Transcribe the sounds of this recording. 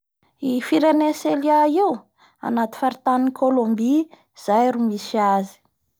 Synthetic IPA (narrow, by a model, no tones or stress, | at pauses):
ifiɾeneseliaiw | a̰nat̪i̥faɾit̪anikʰolombi | z̥ajɾumisazi̥